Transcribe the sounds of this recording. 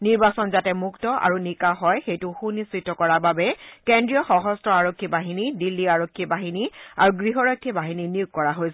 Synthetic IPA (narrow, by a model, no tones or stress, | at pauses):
niɹbasɔnzatɛmuktɔʔa̰ɹunikaɦɔjxejtʊxunistɹitːɔkɔɹababɛkendɹijɔxɔɦɔstɹɔaɹokʰːibaɦinidilːiaɹokʰːibaɦiniaɹuɡɹiɦɔɹɔjkʰːibaɦininijuɡ̚kɔɹaɦojsɛ